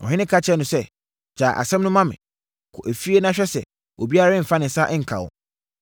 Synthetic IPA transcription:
ɔ̰˨ɦɪ̃˦nɪ̃˦kʰa˦t͡ɕʰɛ˦nʊ̃˨sɛ˦ | d͡ʑaː˨ʔa̰˨sɛ̃˦mnʊ̃˦mã˦mɪ̰̃˨ | kʰʊ˨ʔæ˨fi˦e˦nã˦ɕᶣɛ˦sɛ˨ | ʔo̰˨bi˦a˦ɾã˦m̩˨fa˦nɪ̃˨sa˦ʔɛ˦ŋ̩˨kʰa̰˨wɔ̰˨

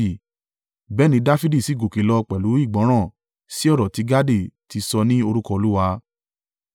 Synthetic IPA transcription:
bɛ˦nĩ˧da˦fi˦di˦˨si˨˦ɡo˨ke˨lɔ˧k͡pɛ˨lu˨˦i˦˨ɡ͡bɔ̃˨˦ɾ̃ã˦˨ | si˦ɔ˦˨ɾɔ˨ti˨˦ɡa˦de˦˨ti˧sɔ˧nĩ˦o˧ɾu˦kɔ˧o˧lu˦wa˧

